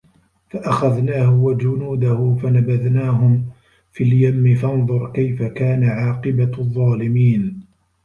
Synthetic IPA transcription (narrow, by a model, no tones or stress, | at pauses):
faʔaxaðnaːhʊwad͡ʒʊnuːd̪ahʊfanabaðnaːɦʊm | filjamːɪfɑnðˤʊɾˤkajfakaːnaʕɑːqɨbaðˤːɑːlɪmiːn